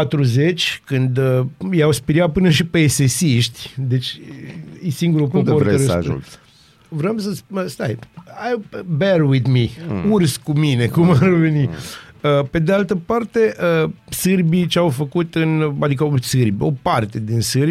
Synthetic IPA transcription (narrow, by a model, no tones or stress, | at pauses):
pat̪ɾuze̞t͡ʃʲkɨnd̪əjawspiɾiapɨnəʃipeːsesiʃt̪ʲd̪e̞t͡ʃʲ | esiŋɡuɾupopoɾəɾʒ̰ | vɾəmsəsəst̪ajajberwidmiurskumine̞kumarveniəpe̞d̪ealt̪əpart̪e̞ʔəsɨrbit͡ʃeawfəkut̪ɨnad̪ikəsɨrbʲo̞part̪e̞d̪insɨɾb